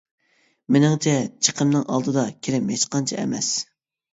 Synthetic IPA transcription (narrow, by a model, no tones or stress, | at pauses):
mɪnɪŋt͡ʃʰɛt͡ʃʰə̥qʰəmnɨŋʔɑ̰lˠd̪ɨd̪ɑkʲʰeɾɪmjet͡ʃʃqɑnt͡ʃʰɛɛ̰mɛ̰s